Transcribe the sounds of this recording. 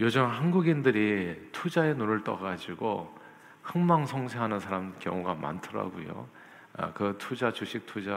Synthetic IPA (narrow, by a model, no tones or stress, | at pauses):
jod͡ʑʌmɦanɡuɡindɯɾitʰud͡ʑae̞noɾɯɭt͈ʌɡad͡ʑiɡo | hɯŋmaŋsʰʌŋɕʰeɦanɯnsʰaɾamkjʌ̰ŋuɡama̰ntʰɯɾa̰ɡṵjo̰ | kɯtʰud͡ʑat͡ɕuɕʰik̚tʰud͡ʑa